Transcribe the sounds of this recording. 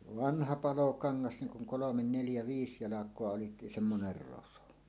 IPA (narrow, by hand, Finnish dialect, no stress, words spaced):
ʋɑnhɑ pɑlokɑŋːɑs niŋ kuŋ kolomen neljæ ʋiːs jɑlɑkˑoɑ olit semːoner roso